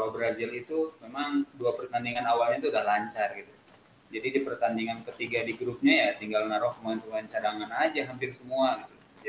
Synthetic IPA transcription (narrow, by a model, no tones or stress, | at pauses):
kalobɾazɪlit̪umemaŋduapərt̪andiŋanawalɲait̪uːdahlaɲt͡ʃarɡit̪u | d͡ʒadidipərt̪andiŋankət̪iɡadiɡɾup̚ɲajat̪iŋɡalnaɾɔhkəmant̪uant͡ʃaɾaŋanad͡ʒaɦampɪrsəmuaɡit̪u | d͡ʒ